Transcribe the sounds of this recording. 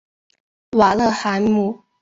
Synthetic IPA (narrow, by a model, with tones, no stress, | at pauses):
wa˨˩lə˥˧xa˧˦n˦mu˥˨